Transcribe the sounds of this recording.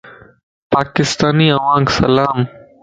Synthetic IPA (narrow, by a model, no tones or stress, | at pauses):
paːkɪst̪aːniːɐʋãːŋɡsɐ̰laːm